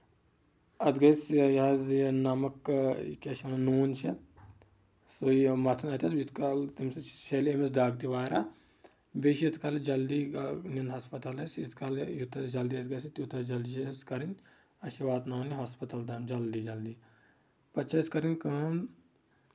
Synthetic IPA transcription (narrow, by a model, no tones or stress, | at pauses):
ɐd̪ɡɐsjɐznamɐkkɐʃɐnɐnuːnt͡ʃʰi | soimɐt̪ʰɐnɐt̪ʲʰɐsit̪ʰkalt̪imst͡ʃeliemisd̪aːɡ̚t̪iʋaːɾa | beʃit̪kald͡ʒɐld̪ininɦɐːspɐt̪ɐlɐsit̪kaljut̪ʰɐsd͡ʒɐld̪iɐsɡɐsit̪ut̪ʰɐd͡ʒɐlskɐɾinʲ | ɐʃʋaːd̪naːniɦaːspɐt̪ɐld̪ɐmd͡ʒɐld̪id͡ʒɐld̪i | pɐtt͡ʃʰɐskɐɾinʲkɐn